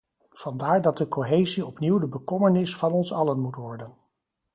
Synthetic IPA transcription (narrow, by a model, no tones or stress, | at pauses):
v̥ɑndaːɹdɑt̚dəkoɦejziɔpniwdəbəkɔmənɪsfɑnɔnsɑlənmutʋɔɹdən